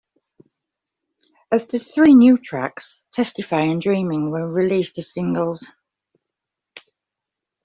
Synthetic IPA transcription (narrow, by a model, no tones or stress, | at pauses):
əvðəθɹiːnjʉːtʰɹ̥a̰kstʰɛstɪfaɪə̃ndɹĩːmɪ̃ŋwəɹɪliˑstəz̥sɪ̃ŋɡəlˠz̥